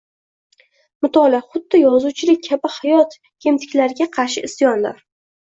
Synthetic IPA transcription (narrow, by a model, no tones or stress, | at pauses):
mʊt̪ʰɒlaχʊd̪ːɪjɒzuwt͡ʃʰɪlɪk̚ʲʰːabɪhajɒt̪ | ɡʲʰe̞mt̪ʰɪ̥kʲlaɾɪɡʲaqʰɑɾʃɪɪsjɒnla̰ɾ